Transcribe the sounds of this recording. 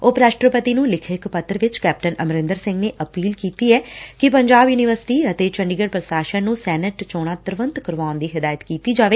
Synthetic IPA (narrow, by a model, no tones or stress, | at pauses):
oːpɾaːʃʈɾəpət̪iːnũːlɪkʰɪkpət̪ːəɾʋɪt͡ʃkɛːp̚ʈənəmɾɪ̃nd̪əɾsɪ̃ŋɡneːʔəpiːlkiːt̪iːɛːkɪpəɲd͡ʒaːbjuːnɪʋəɾsɪ̥ʈiːət̪eːt͡ʃəɳɖiɡəɽpɾəsaːʃənnũːsɛːnəʈt͡ʃoːɽ̃aːt̪əɾʋənt̪kəɾʋaːnd̪iːɦɪd̪aːjət̪kiːt̪iːd͡ʒaːʋeː